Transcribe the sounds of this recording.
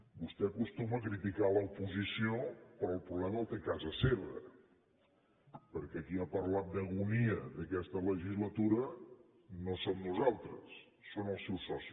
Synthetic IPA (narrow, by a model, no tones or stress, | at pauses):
bust̪ɛəkust̪uməkɾit̪ikaləupuzisiopɾɔːlˠpɾuβlɛməlˠt̪ekazəseβə | pəɾkɛːkiapəɾlat̪̚d̪əɣuniəðəkɛst̪ələʒizlət̪uɾə | nosomnuzalˠt̪ɾə̰sː | onəlˠsɛwsɔsi